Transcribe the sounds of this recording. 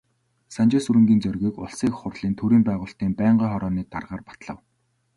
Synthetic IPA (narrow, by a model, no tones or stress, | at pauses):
sant͡ɕɪsuɾɘ̆ŋɡʲiːnt͡sɵrɣʲiːkʊ̰ɮsiːkχʊrɮiːnt̪ʰuɾiːmpæːʁʊːɬt̪iːmpæːɴɢiːχɔɾɔːniːt̪a̰rʁaːrpḁt̪ɮə̆w